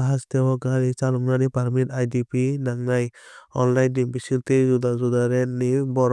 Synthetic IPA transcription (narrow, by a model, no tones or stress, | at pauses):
aɦast̪ɛwɔɡaɾit͡ʃalɔmnanipaɾmitajdipinaŋajɔnlajndiŋbisiɾt̪ezud̪azud̪aɾɛnibɔɾ